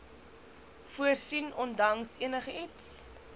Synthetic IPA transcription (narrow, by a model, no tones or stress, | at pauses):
fuərsinɔndɐŋsiənəχəits